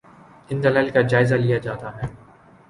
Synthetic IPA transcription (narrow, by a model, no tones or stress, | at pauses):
ɪ̃nd̪ɐlaːɪlkad͡ʒaːɪzalijad͡ʒaːt̪aɦɛː